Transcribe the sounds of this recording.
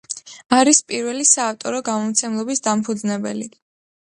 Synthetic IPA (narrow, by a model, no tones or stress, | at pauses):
aɾispʼiɾwɛlisaːft̪ʼɔɾɔɡamɔmt̪sʰɛmlˠɔbisd̪ampʰud̪znɛbɛ̰li